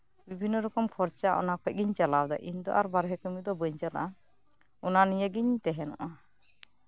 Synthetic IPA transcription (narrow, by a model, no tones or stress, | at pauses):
bibʱinːɔɾɔkɔmkʰɔɾt͡ʃaʔɔ̰nakʰɔc̚ɡiɲt͡ʃalawd̪a̰ʔiɲd̪ɔ̰ʔaɾbaɾɦɛkəmid̪ɔbəɲt͡ʃala̰ | ɔnanijəɡiɲt̪ɛɦɛnɔ̰ʔa